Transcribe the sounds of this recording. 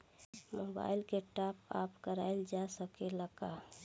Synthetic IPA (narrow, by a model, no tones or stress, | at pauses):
moba̰ɪlkeʈapa̰pkəɾa̰ɪld͡ʒasəkeləɡa